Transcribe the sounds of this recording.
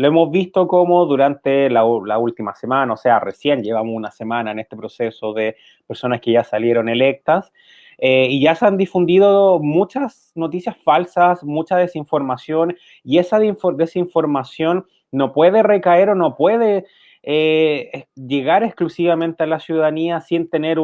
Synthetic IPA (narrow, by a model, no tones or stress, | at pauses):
loemozβist̪okomoðuɾant̪elalault̪imasemanaose̞aresje̞nʝe̞βamosunase̞manaenest̪e̞pɾo̞sesoðe | peɾso̞naskeʝasalje̞ɾo̞ne̞lek̚t̪as | eiʝaseand̪ifund̪iðomut͡ʃas | no̞t̪isjasfalsasmut͡ʃað̞e̞siɱfo̞ɾmasjo̞n | iesaiɱfod̪esiɱfo̞ɾmasjo̞nː | o̞pwe̞ðerekae̞ɾo̞no̞pwe̞ðe | e | ʝeɣaɾesklusiβame̞nt̪ealasjuðaðaniasint̪e̞neɾ